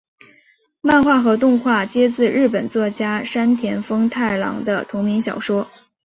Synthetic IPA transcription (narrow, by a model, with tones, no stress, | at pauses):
ma˥˧nxwa˥˩xɤ˧˥t̪ʊ˥˧ŋxwa˥˩t͡ɕjɛ˥t͡sɹ̩˥˧ɻɻ̩˥˩pə˨˩nt͡swɔ˥˩t͡ɕja˥ʂa˥nt̪ʰjɛ˧˥nfɤ˥ŋt̪ʰa˥˩ɪlɑ̰˧˥ŋd̪ə̰˧t̪ʰʊ˧˥ŋmi˧˥ŋɕjɑ˨˩ʊʂwɔ˥